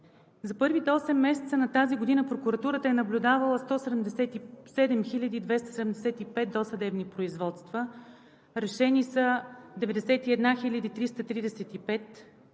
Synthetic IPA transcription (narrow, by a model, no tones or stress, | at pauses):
zɐpɤɾvit̪ɔsɛmːɛsɛt̪sənɐt̪aziɡod̪inəpɾokuɾɐt̪uɾət̪əɛnɐblʲud̪avɐlˠəst̪ɔsɛd̪ɛmd̪ɛsɛt̪isɛd̪ɛmxilʲɐd̪id̪vɛst̪ə̥sɛd̪ɛmd̪ɛsɛt̪ipɛt̪̚d̪osɐd̪ɛbnipɾoizvɔt̪st̪və | ɾɛʃɛnisəd̪ɛvɛd̪ɛsɛt̪iɛd̪naxilʲəd̪it̪ɾist̪ət̪ɾid̪ɛsɛt̪ipɛt̪